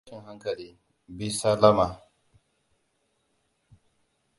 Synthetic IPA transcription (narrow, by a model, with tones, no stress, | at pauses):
ʃɪ˨ŋɦa˦ŋkɐ˨liː˦ | bi˦sa˦lɐ˦ma˨